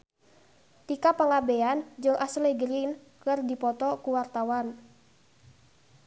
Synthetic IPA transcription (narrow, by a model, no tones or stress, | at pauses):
t̪ikapəŋabeand͡ʒɨŋʔasleɡəɾin | kɨrdipɔt̪ɔkuwart̪awan